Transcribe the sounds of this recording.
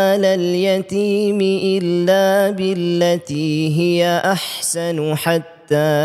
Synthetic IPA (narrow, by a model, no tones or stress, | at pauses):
alaljat̪iːmɪʔɪlːaːbɪlːat̪iːɦɪjaʔaħsanħat̪ːaː